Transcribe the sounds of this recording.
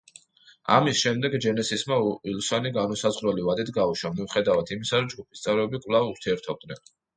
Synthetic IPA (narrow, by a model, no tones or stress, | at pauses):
a̰misʃɛmd̪ɛɡd͡ʒɛnɛsismailsaniɡanɔsazʁɾɛlivad̪it̪ʰɡauʃamiuχɛd̪avat̪ʰimisaɾɔd͡ʒɡupʰist̪sʼɛvɾɛbikʼwlˠavuɾt̪ʰiɛɾt̪ʰɔb̚d̪nɛn